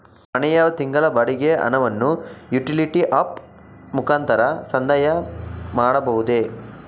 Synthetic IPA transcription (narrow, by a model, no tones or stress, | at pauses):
ɐnɛjɐt̪iŋɡɐlɐbɐɽiɡeɐ̰nɐʋɐnːujuʈiliʈiʔap | mukaːnt̪ɐɾɐsɐnd̪ɐjɐmaːɽɐbɐɦud̪e